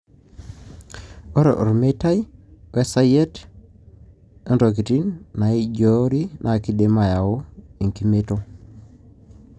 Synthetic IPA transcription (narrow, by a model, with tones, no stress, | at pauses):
o˦ɾḛ˨ʔo̰˨ɾme˦ta˦jwe˦sa˦jɛ˦t | e˦nto˨ki˨ti˦nːa˨i˦d͡ʒoɾi˦nʔa˨ki˦de˦ma˨ja˨o˦i˨ŋki˦me˦to˦